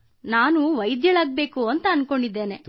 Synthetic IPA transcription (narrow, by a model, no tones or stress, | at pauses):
naːnuʋɐjd̪jɐɭaːɡ̚be̞ːkuɐnt̪ɐːnko̞ɳɖid̪ːe̞ːne̞